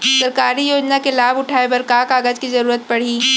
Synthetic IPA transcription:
sɐɾkaːɾijoːd͡ʒnakelaːbʊʈʰaːebɐɾkaːkaːɡəd͡ʒkizɐɾuːɾət̪̚pɐɽ̤iː

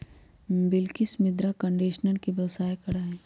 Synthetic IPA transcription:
bɪlkɪsmɪd̪ɾakə̃ɳɖiːʃnənkibɐːsaːjkɐɾaɦɛː

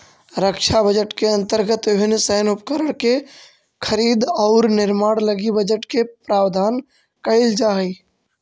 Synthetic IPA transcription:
ɾəkʃʰabəd͡ʒəʈkeə̃nt̪əɾɡət̪ɪbʱɪnsənʊpkəɾəɽ̃ke | kʰəɾiːd̪ɔʊɾnɪɾmaːɽləɡibəd͡ʒəʈkepɾaːwd̪ʱaːn | kəɪld͡ʒai

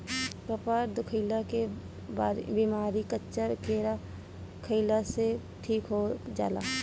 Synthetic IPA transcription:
pəpaːɾd̪ʊkʰəɪlake | baːɾbiːmaːɾikətːʃakeːɾa | kʰəɪlase | ʈʰiːkɦod͡ʒa̰ːla̰ː

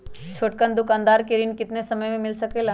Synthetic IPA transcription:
t͡ʃʰoːʈ̚kənd̪ʊkaːnd̪aːɾkeɾɪnkɪt̪nesɐməjmẽmɪlsɐkelaː

